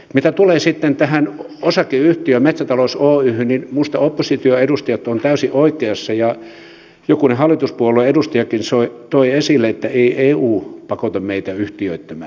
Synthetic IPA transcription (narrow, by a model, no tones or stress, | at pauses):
mit̪æt̪uleːsit̪ːent̪æhæn | osɑkeyht̪iømet̪sæt̪ɑlosoːyhynninmust̪ɑopːosit̪yøedust̪ɑjɑt̪ːont̪æysiʔoikˑeɑsːɑjɑ | jokunehɑlːˑit̪uspuolːeedust̪ɑjɑkinsoit̪oiesilːˑeet̪ːæeiʔeːuːpɑkot̪ɑmmeit̪æyht̪iøit̪ːæmæ̰ː